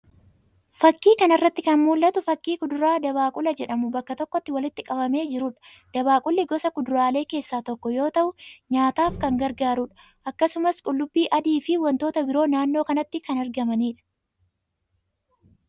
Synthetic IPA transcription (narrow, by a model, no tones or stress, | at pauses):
fɐkːiːkɐnɐrːɐt̪ːɪkɐnmuːlːɐt̪ʊfɐkːiːkʊd̪ʊɾaːd̪ɐβaːkʼʊlɐd͡ʒɛᶑɐmʊbɐkːɐt̪ɔkːɔt̪ːɪwɐlɪt̪ːɪkʼɐbɐme̞ːd͡ʒɪɾuːᶑɐ̥ | d̪̥ɐbaːkʼʊlːɪɡɔsɐkʊd̪ʊɾaːle̞ːke̞ːsːaːt̪ɔkːɔjo̞ːt̪ɐʔʊɲaːt̪aːfkɐŋɡɐɾɡaːɾuᶑɐ̥ | ʔɐkːɐsʊmɐskʼʊlːʊbːiːʔɐd̪iːfɪwɐnt̪o̞ːt̪ɐbɪɾo̞ːnaːnːo̞ːkɐnɐt̪ːɪkɐnɐɾɡɐmɐniːᶑɐ̥